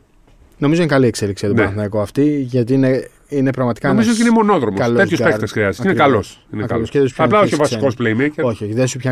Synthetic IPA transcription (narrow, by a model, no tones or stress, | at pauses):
no̞mizo̞inkɐlie̞kseliksijɐt̪oeɐnɐikoɐft̪iʝɐt̪ine | ine̞pɾɐɣmɐt̪i̥kɐmizot̪iinemo̞no̞ðɾomoɐloesjospekt̪esxɾiɐzi̥inekɐlosinekɐoskeðespçɐplɐoçiovɐsikosplejmejceɾoçioçiðesupçɐ